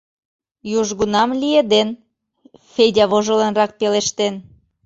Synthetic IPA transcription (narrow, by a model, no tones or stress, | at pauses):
juʒɣunɑmlied̪en | fedʲɑβoʒŏlə̆nrɑk̚peleʃt̪en